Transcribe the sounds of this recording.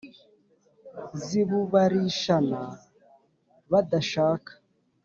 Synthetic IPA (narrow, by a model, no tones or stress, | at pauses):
ziβuβaɾiʃana | βadaʃaːkḁ